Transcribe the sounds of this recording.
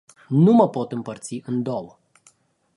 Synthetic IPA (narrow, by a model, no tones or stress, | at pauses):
numəpo̞t̪ɨmpərt̪siʔɨnd̪owə